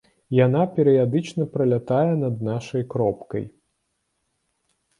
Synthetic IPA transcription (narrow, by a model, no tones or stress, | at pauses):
janapʲɛɾɨjad̪ɨt͡ʂnɐpɾɐlʲat̪ajɛnɐd̪naʂɐjkɾɔpkɐ̰j